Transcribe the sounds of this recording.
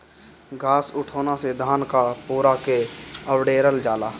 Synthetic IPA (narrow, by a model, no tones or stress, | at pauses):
ɡʱaːsʊʈʰoːnased̪ʱaːnkapuːɾakeəwɖeːɾəld͡ʒaːlaː